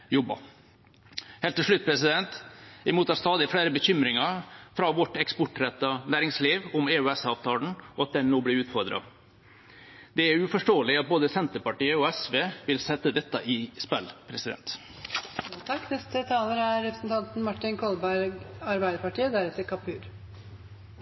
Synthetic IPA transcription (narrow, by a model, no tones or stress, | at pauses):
jɔbɑ̰ | heːlt̪ʰːɪʂɭʉt̪̚ːpʰɾɛsɪd̪ɛnt̪ɪmuːt̪ɑːɾst̪ɑːd̪ɪfɽeːɾəbəçʏmɾɪŋɑfɾɑʋɔʈɛkspɔʈɾɛt̪ːɑnæːɾɪŋsliːʋʊmeːʉɛsɑːʋt̪ʰɑːlɳ̩ɔɑt̪̚d̪ɛnnoːblɪːɾʉːt̪fɔɾd̪ɾɑ̰ | d̪ɛæɾʉːfɔʂʈoːəlɪɑt̪̚boːd̪əsɛnt̪əpɑʈiːəɔɛsʋeːʋɪlsɛt̪ːəd̪ɛt̪ːɑʔɪspɛlːpʰɾɛsɪd̪ɛ̰nt̪ | t̪ʰɑkːnɛst̪ət̪ʰɑːləɾæɾɾɛpɾəsn̩t̪ʰɑnt̪n̩mɑʈːɪnkʰɔlbæɾɡɑɾbæɪd̪əpɑʈiːəd̪æɾɛt̪ːəɾkʰɑpʰːʉːɾ